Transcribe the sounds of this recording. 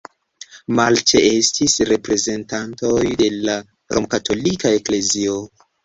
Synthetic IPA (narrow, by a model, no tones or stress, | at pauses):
malt͡ʃee̞stisɾe̞pɾe̞ze̞ntanto̞jde̞la | ɾo̰mkatʰo̞likae̞kle̞zio